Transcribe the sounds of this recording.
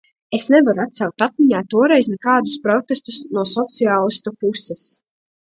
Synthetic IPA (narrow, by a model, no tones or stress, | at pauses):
esnɛvaɾuat̪sawk̚t̪at̪̚miɲaːt̪uɔɾɛjznɛkaːd̪uspɾɔt̪est̪usnuɔsɔt̪siaːlˠist̪upusɛs